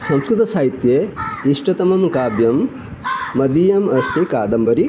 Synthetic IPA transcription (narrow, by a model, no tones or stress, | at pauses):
sɐ̃mskɾɨt̪ɐsaːɦit̪jeːiʂʈɐt̪ɐmɐmkaːbjɐmː | ɐd̪iːjɐmɐst̪ʰikaːd̪ɐmbɐɾi